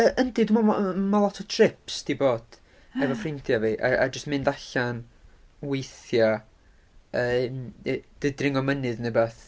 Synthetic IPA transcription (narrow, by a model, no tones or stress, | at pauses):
əʔəndidumamalˠɔtʰɔtʰrɪpsd̥ʰiboːd̥ | ɛvɔfrɪntʰjaviːʔa̰ʔa̰d͡ʒəstmɨndaɬan | wejθja | əːmd̥ədrɪŋɔmənɨðnebaːθ